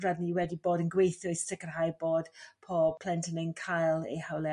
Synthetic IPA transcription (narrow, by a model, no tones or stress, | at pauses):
radniwɛdiboːdənɡwejθʊɨstɪkərɦajboːd̥pʰɔpʰl̥ɛntʰənenkʰajlˠḛjhawlɛ